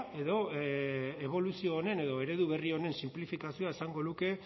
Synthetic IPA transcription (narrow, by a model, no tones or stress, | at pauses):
e̞ðo̞ | e̞β̞o̞lusio̞ːne̞ne̞ðo̞e̞ɾe̞ðuβ̞e̞rio̞ne̞nsimplifikasioaesaŋɡo̞nuke̞